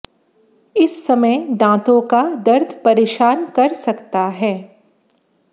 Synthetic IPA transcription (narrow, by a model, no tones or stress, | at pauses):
ɪsːɐməjd̪ãːt̪õkad̪ɐɾd̪ʱpɐɾeːʃaːnkɐɾsɐkt̪aɦɛː